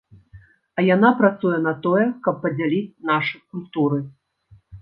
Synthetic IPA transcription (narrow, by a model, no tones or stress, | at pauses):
ɐjanapɾat̪sujɛnɐt̪ɔjɛkɐpːɐd͡zʲalʲit͡sʲnaʂɨkulʲt̪uɾɨ